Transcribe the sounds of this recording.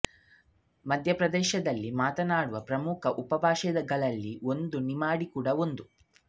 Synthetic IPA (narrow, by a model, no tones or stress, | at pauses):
mɐd̪ʱjɐpɾɐd̪ɛːʃɐd̪ɐlːimaːt̪ɐnaːɽuʋɐpɾɐmukʰɐʔupɐbʱaːʃɛd̪ɐɡɐɭɐlːio̞nd̪unimaːɽikuːɽɐo̞nd̪u